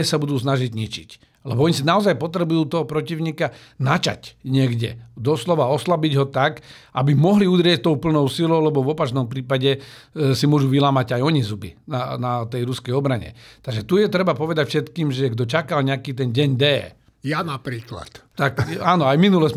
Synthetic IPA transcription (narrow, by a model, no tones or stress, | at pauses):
ɛsabud̪uːsnaʒiɟɲit͡ʃḭc | lɛbɔɔɲisinaɔzajpɔt̪ɾɛbujuːt̪ɔɦɔpɾɔciʊɲiːkanat͡ʃa̰cɲɪɛɡɟɛd̪ɔslɔʋaɔslabiɟɦɔt̪ak | ʔabimɔɦliud̪ɾɪɛc̚t̪ɔʊpl̩nɔʊsilɔʊlɛbɔvɔpat͡ʃnɔmpɾiːpaɟɛ | simʊɔʒuʋilaːmaɟajɔɲizubḭnanat̪ɛjɾuskɛjɔbɾaɲɛ̰t̪aɡʒɛt̪ujɛt̪ɾɛbapɔʋɛd̪acfʃɛt̪kiːmʒɛɡ̚d̪ɔt͡ʃakalɲɛakiːt̪̬ɛnɟɛɲd̪ɛː | janapɾiːkla̰t̪t̪akaːnɔajminulɛs